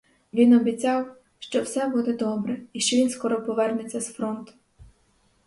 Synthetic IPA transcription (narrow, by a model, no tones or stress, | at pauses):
ʋʲinɔbʲit͡sʲɑw | ʃt͡ʃɔwsɛbud̪ɛd̪ɔbɾɛiʃt͡ʃɔʋʲinskɔɾɔpɔʋɛrnet͡sʲːɐsfɾɔnt̪ʊ̥